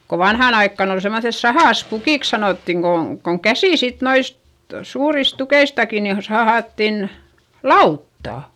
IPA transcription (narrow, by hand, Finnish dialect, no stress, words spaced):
ko ʋɑnhɑˑn ɑikːɑˑn ol semːoθes sɑhɑˑspukiˑks sɑnoˑtːiŋ ko koŋ kæsiˑ sit noist suːris tukeistɑki ni o sɑhɑˑtːin lɑutːɑˑ